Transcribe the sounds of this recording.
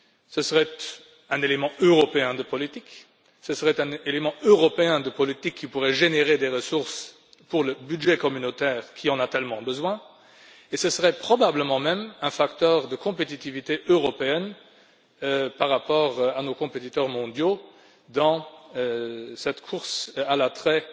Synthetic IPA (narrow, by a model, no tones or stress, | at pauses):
səsəʁɛt̪ | ɛ̃nelemɑ̃øʁɔpeɛ̃d̪əpɔlit̪ik | səsəʁɛt̪ɛ̃nelemɑ̃øʁɔpeɛ̃d̪əpɔlit̪ikʰːipuʁɛʒeneʁed̪eʁəsuʁs | puʁləbydʒɛkɔmynot̪ɛːʁkʰʲiɑ̃nat̪ɛlmɑ̃bəzwɛ̃ | esəsəʁɛpχɔbabləmɑ̃mɛmɛ̃fakt̪œʁd̪əkɔ̃pet̪it̪ivit̪eʔøʁɔpeɛn | paʁːapɔːʁanokɔ̃pet̪it̪œʁmɔ̃d̪jo | d̪ɑ̃ | sɛt̪kʰuʁsalat̪χɛ